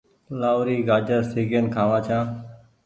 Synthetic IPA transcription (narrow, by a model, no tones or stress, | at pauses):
laːʊɾiːɡaːd͡ʒəɾsiːɡənkʰãːʋãːt͡ʃʰãː